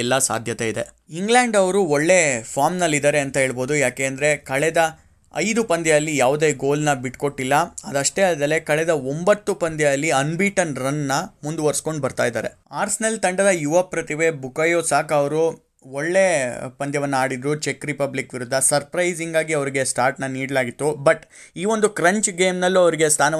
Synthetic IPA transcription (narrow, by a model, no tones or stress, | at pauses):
ɛlːasa̰ːd̪ʱjɐt̪eid̪e̞̰ | iŋɡlaːɳɖɐʋɾuɔɭːepʰaːɾmnɐlːid̪aːɾeɐnt̪ɐɦe̞ːɭboːd̪ujaːke̞ːɐnd̪ɐɾe̞kɐɭɛd̪ɐ | ɐ̰jd̪upɐnd̪jɐɐlːijaːʋud̪e̞ːɡo̞ːlnɐbiʈko̞ʈːilːɐɐd̪ɐʂʈeːɐld̪ɐle̞kɐɭɛd̪ɐombɐt̪ːupɐnd̪jɐɐlːiɐnbiʈɐnɾɐnːɐmund̪uʋɐɾsko̞ɳɖbɐɾt̪a̰ːjd̪aːɾe̞̰aːɾsnɐlt̪ɐɳɖɐd̪ɐjuʋɐpːɾɐt̪iʋe̞bukɐjoːsaːkɐʋɐɾu | ɔɭːepɐnd̪jɐʋɐnːɐaːɽid̪ɾut͡ʃekɾipɐblikʋiɾud̪ʱːɐsɐɾpɾɐjziŋɡaːɡiɐʋɾiɡe̞sʈaːɾʈnɐniːɽɐlaːɡit̪ːubɐʈ | iːʋo̞nd̪ukɾɐɲt͡ʃɡeːmnɐlːuɐʋɐɾiɡest̪ʰaːnɐ